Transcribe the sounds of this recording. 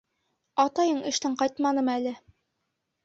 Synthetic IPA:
ɑt̪ɑjɤɴɘ̆ʃt̪ɘɴqɑjt̪mɑnɤmælɘ

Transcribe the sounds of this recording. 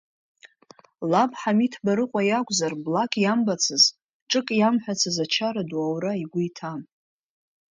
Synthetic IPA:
labħamitʰbaɾɨqʷʼajakʷʼzarblakʼjambat͡sʰɨz | ʈ͡ʂʼɨkʼjamħʷᶣat͡sʰɨzat͡ʃʰaɾaduawɾaiɡʷʊitʰam

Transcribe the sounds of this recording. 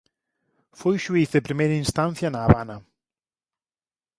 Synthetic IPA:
fʊjʃwiːθɛbɾɪmɛnɪnstanθjanavana

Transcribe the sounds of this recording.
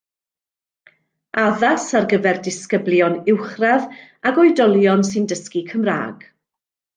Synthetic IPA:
aðasarɡəvɛrdɪskəblˠjɔnɪwχrað | aɡɔjdɔlˠjɔnsɨndəskikʰəmra̰ːɡ̥

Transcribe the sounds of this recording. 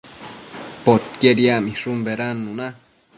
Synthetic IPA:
pot̪̚keɾjamiʂumbeɾanːuna

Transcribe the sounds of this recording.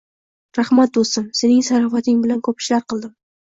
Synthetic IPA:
ɾahmat̪̚d̪ost̪ɪmsenɪŋsaɾɑfat̪ʰɪŋbɪlankʰɵpʃɪlaɾqɨlˠd̪ɪm

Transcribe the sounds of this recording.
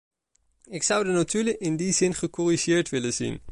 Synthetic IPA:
ɪksʌwdənatyləʔɪndizɪnχəkɔriʒɪːɹtʋɪlənzḭn

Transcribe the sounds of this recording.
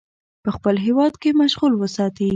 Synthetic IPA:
pəxpəlɦewɑd̪kemaʃɣulwəsɑt̪i

